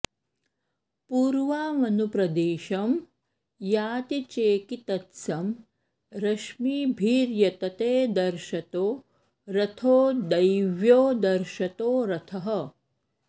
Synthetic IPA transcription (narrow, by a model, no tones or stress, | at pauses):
puːɾʋaːmɐnupɾɐd̪eːʃɐm | jaːt̪it͡ʃeːkit̪ɐt̪sɐm | ɾɐʃmiːbʱiːɾjɐt̪ɐt̪eːd̪ɐɾʃɐt̪oː | ɾɐt̪ʰoːd̪ɐjʋjoːd̪ɐɾʃɐt̪oːɾɐt̪ʰɐɦɐ